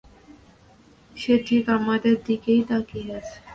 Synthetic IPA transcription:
ʃeʈʰikamad̪eɾd̪ikejt̪akiɦat͡ɕʰe̥

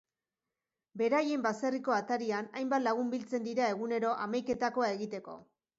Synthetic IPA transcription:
be̞ɾaje̞mbase̞riko̞at̪aɾianajmbat̪laɣ̞umbilt͡se̞nd̪iɾae̞ɣune̞ɾo̞ʔamajke̞t̪ako̞ae̞ɣit̪e̞ko̞̰

